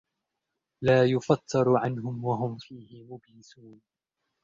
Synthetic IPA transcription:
laːjʊfɑt̪ʰːɑɾˤʕanɦʊmwaɦʊmfiːhɪmʊbjɪsuːn

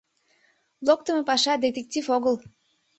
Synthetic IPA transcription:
lˠok̚t̪əmepɑʃɑd̪et̪ek̚tʲifoɣəl

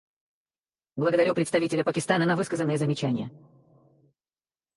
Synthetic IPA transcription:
blˠəɡəd̪ɐɾʲupɾʲɪt̪st̪ɐvʲitʲɪlʲəpəkʲɪst̪anənɐvɨskəzənːɨjəzəmʲɪt͡ɕænʲɪjə

